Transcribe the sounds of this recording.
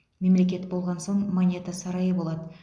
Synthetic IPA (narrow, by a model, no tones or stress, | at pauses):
me̞mle̞kʲe̞t̪bolˠʁɑnso̞ɴmonʲet̪asɑɾɑjəbo̞lˠɑd̪ə